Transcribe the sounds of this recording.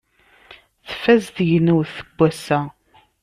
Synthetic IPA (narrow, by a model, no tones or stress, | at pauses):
θfæzθjnəwθəɡ̥ʷːæsæ